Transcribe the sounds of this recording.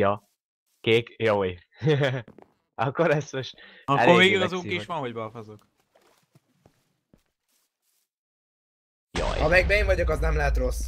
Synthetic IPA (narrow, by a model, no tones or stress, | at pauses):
jɒ | keːkjoj | ʔɒkːoɾɛsøʃɒkɛloveːɡiɡɒzuːkeʃʋɒnɦoɟbɒfozok | jo̰jɒmɛɡ̚bɛeːɱvɒɟokɒznɛmlɛɦɛt̪rosː